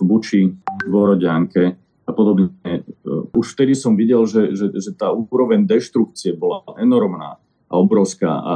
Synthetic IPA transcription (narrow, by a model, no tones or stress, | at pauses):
but͡ʃiʋɔɾɔɟɪaŋkɛ | apɔd̪ɔbɲɛuʃft̪ɛd̪isɔmʋiɟɛlʒɛʒɛʒɛt̪aːuɾɔʋɛɲd̪ɛʃt̪ɾuk̚t͡siɛbɔlaʔɛnɔɾmna̰ː | aɔbɾɔʊska̰ːʔa̰